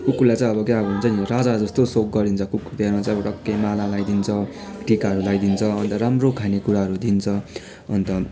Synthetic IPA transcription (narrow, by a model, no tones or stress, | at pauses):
kukːulajt͡saj̃ʌbʌkaʌbɦnt͡saj̃rad͡zad͡zʌst̪osok̚ɡʌɾint͡sʰʌkukut̪eɾãt͡sãj̃ʌbʌʈʌkːemalalajd̪int͡sʰʌʈikaɦʌɾulajd̪int͡sʰʌʌnt̪ʌɾamrokʰanekuɾaɦʌɾud̪int͡sʰʌ | ʌnt̪ʌ